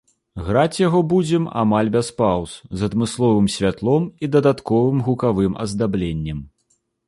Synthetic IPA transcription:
ɣɾat͡sʲjaɣɔbud͡zʲɛma̰malʲbʲɛspawszɐd̪mɨslˠɔvɨmsʲvʲat̪lˠɔmid̪ɐd̪at̪kɔvɨmɣukavɨmɐ̰zd̪ablʲenʲːɛm

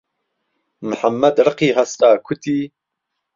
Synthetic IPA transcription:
məħamːɐd̪ɾɨqiːɦast̪aːkʰut̪iː

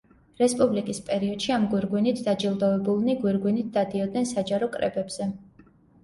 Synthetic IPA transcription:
ɾɛspʼublikʼispʼɛɾiɔd̪̥ʃiamɡwiɾɡwinit̪ʰd̪ad͡ʒilˠd̪ɔvɛbulˠniɡwiɾɡwinit̪̚ʰd̪̥ad̪iɔd̪nɛnsad͡ʒaɾɔkʼɾɛ̰bɛbz̥ɛ

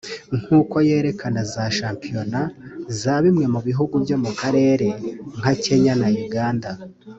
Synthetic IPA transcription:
ŋ̥uːko̞je̞ːɾe̞kʰanazaʃaːmpijo̞nazaːβimŋe̞muβiɦuɡubjo̞mukaɾe̞ːɾe̞ŋ̥hace̞ɲanajuɡaːnda

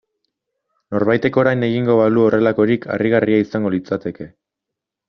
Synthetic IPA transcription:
no̞ɾβajt̪e̞ko̞ɾajne̞ɣ̞iŋɡo̞βaluo̞rʔe̞lako̞ɾikʰa̰riɣ̞ariaisaŋɡo̞lit͡sat̪e̞ke̞

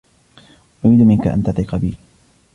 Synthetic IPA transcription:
ʔʊɾiːd̪mɪnka̰ʔa̰nt̪at̪ˤiːqɑbiː

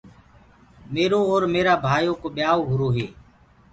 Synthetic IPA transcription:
meːɾõːoːɾmeːɾaːbʱaːjoːkoːɓɪjaːoːɦʊɾoːɦeː

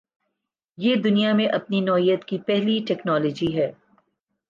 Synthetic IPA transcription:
jeːd̪ʊnijamẽʔɐpninɔːijət̪kipɛɦliʈɛːknɔːlɔːd͡ʒiɦɛː

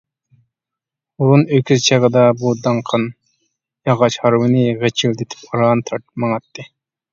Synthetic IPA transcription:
ununøkʲʰyzt͡ʃʰeʁəd̪ɑbud̪ɑɴqʰɑn | jɑʁɑʃhɑɾwɨnɪʁet͡ʃʰild̪et̪ʰɪ̥poɾɑnt̪ʰɑɾt̪mɑŋɑt̪ːɨ

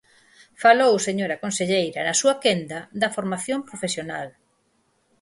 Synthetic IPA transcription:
falowseɲoɾɐkonseʎejɾɐnɐsuɐkend̪ɐðɐfoɾmaθjompɾofesjona̰l

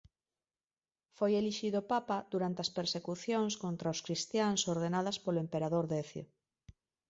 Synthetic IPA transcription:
fojeliʃiðopapad̪uɾant̪eɐspeɾsekuθjoŋskont̪ɾaoskɾist̪jaŋsoɾðenað̞ɐspoloempeɾaðoɾðeθjo̰

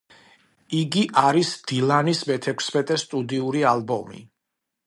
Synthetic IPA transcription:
iɡiʔaɾisd̪̥ilˠanismɛt̪ʰɛkʷʰsmɛt̪ʼɛst̪ʼud̪iuɾialˠbɔmḭ

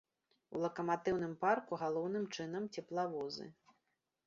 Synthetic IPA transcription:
ṵlˠɐkɐmat̪ɨwn̪ɨmparkuɣalˠɔwnɨmt͡ʂɨnɐmt͡sʲɛplˠavɔzɨ̰

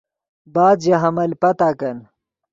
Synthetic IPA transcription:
baːd̪jɐɦɐmɐlpɐt̪aːkɐn

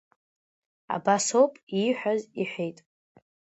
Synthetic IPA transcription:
a̰basowpʼiħʷᶣaziħʷᶣejtʼ

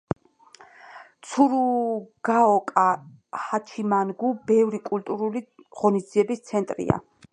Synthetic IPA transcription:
t̪sʰuɾuɡ̥aɔkʼa | hat͡ʃʰimanɡubɛvɾikʼult̪ʼuɾuliʁɔnisd̪ziɛbist̪sʰɛnt̪ʼɾḭa̰

